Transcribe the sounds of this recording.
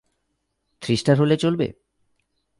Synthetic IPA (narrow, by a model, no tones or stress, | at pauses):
t̪ʰɾiʃʈaɾɦolet͡ɕolbḛ